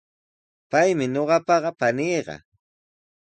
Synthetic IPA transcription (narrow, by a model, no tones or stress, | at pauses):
pajmɪɲoɢɑpɑɢɑpanijɢɑ̰